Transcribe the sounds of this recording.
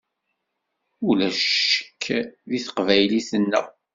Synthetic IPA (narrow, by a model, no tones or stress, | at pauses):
ulæʃə̥kʰːðiθə̥qvæjliθənːə̰ʁ